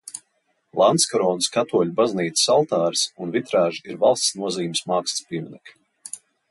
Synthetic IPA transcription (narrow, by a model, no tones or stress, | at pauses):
lˠant̪skɔɾɔːnɨskat̪uɔlʲubazniːt̪ssalˠt̪aːɾsunvit̪ɾaːʒiiɾvalˠst̪snuɔziːmsmaːkst̪spʲiɛmʲinɛk